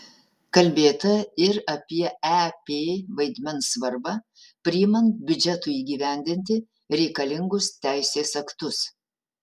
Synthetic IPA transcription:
kɐlʲbʲeːt̪ɐɪɾɐpʲiɛæpʲeʋɐɪd̪ʲmʲɛnsʋɐɾbɐ | pʲɾʲɪːmɐnbʲʊd͡ʒʲɛt̪uːiːɡʲiːʋʲæˑnʲd̪ʲɪnʲt̪ʲɪ | ɾʲɛɪkɐlʲɪŋɡʊst̪ʲæɪsʲeːsɐkt̪ʊs

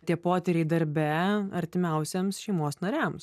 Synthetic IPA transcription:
t̪ʲiɛpoːt̪ʲɛɾʲɛɪd̪ɐɾʲbʲɛɐɾʲt̪ʲɪmʲɛˑʊsʲɛmsʃʲɛɪmoːsnɐɾʲɛms

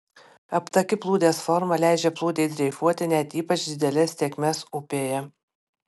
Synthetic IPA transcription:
ɐpt̪ɐkʲɪplˠuːd̪ʲeːsfɔɾmɐlʲæˑɪd͡ʒʲɛplˠuːd̪ʲeːt̪̚ʲɾʲɛɪfuɔt̪ʲɪnʲɛt̪ʲiːpɐt͡ʃʲd̪ʲɪd̪ʲɛlʲɛsːʲeːkʲmʲɛsʊpʲeːjɛ

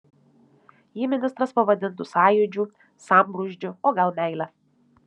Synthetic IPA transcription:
jiːmʲɪnʲɪst̪ɾɐspɐʋɐd̪ʲɪnt̪ʊsɑːjʊd͡ʒʲuː | sɑmbɾʊʒʲd͡ʒʲʊoːɡɐlˠmʲæˑɪlʲɛ

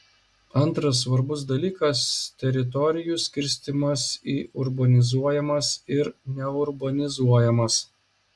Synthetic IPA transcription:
ɐnˑt̪ɾɐs̬ːʋɐɾbʊsd̪ɐlʲiːkɐst̪ʲɛɾʲɪt̪ɔɾʲɪjusʲkʲɪɾʲsʲt̪ʲɪmɐsiːʔʊɾbɐnʲɪzuɔjɛmɐsɪɾnʲɛʊɾbɐnʲɪzuɔjɛmɐs

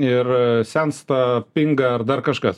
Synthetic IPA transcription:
ɪrsʲɛnst̪ɑpʲɪŋɡɐɐrd̪ɐrkɐʃkɐs

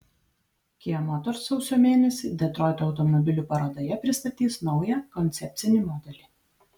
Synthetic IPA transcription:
kʲiɛmɔt̪ɔɾsɔʊsʲoːmʲeːnʲɛsʲiːd̪ʲɛt̪ɾɔːɪt̪oːʊt̪ɔmɔbʲɪlʲuːpɐɾɐd̪oːjɛpʲɾʲɪst̪ɐt̪ʲiːsnɒʊjɛkɔnʲt̪sʲɛpʲt̪sʲɪnʲɪˑmɔd̪ʲɛlʲiˑ

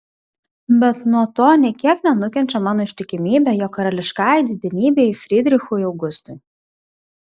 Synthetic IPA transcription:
bʲɛt̪nuɔt̪oːnʲɛkʲiɛknʲɛnʊkʲɛnʲt͡ʃʲɛmɑːnoːɪʃʲt̪ʲɪkʲɪmʲiːbʲɛjokːɐɾɐlʲɪʃkɑːjd̪ʲɪd̪ʲɛnʲiːbʲeɪfʲɾʲɪd̪ʲɾʲɪxuːjɐʊɡʊst̪ʊj

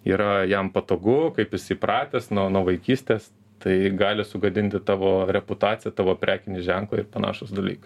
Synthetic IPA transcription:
ḭːɾɐjɛmpɐt̪oːɡʊkɐɪpɪsʲipɾɑːt̪ʲeːsnɔnuɔʋɐɪkʲiːsʲt̪ʲeːs | t̪ɐɪɡɑːlʲɪsʊɡɐd̪ʲɪnʲt̪ʲɪt̪ɑːʋoːɾʲɛpʊt̪ɑːtt͡sʲɪjɛt̪ɑːʋoːpʲɾʲæːkʲɪnʲɪʒʲæŋklˠɐɪɾpɐnɑ̰ːʃʊsd̪ɐlʲiːk

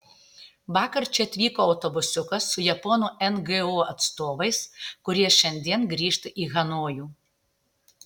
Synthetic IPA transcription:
ʋɑːkɐɾt͡ʃʲɛɐt̪ʲʋʲiːkoːɐʊt̪obʊsʲʊkɐsːʊjɛpoːnuːʔɛnɡɨoːɐt̪st̪oːʋɐɪskʊɾʲiɛʃʲɛnʲd̪ʲiɛnɡɾʲiːʃt̪ʲʔiːɣɐnoːjuː

